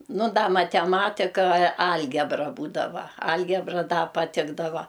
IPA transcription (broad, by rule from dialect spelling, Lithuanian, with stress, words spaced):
ˈnʊ ˈdɐ mɐtʲɛˈmɑːtʲɪkɐ ˈɐlʲɡʲɛbrɐ ˈbuːdɐʋɐ ˈɐlʲɡʲɛbrɐ ˈdɐ pɐˈtʲɪɡdɐʋɐ